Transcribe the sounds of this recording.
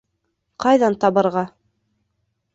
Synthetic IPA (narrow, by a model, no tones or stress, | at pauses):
qɑjðɑnt̪ɑβɤ̆ɾʁɑ